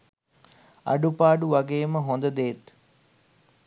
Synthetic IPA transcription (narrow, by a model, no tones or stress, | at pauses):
a̰ɖupaːɖuʋaɡeːməɦond̪əd̪eːt̪